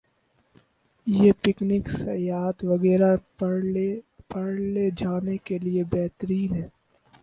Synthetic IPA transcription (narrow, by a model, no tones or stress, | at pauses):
jepɪknɪksɐjaːt̪ʋɐɣɛːɾa | pɐɽled͡ʒaːnekeliebɛɦt̪ɾiːnɦɛː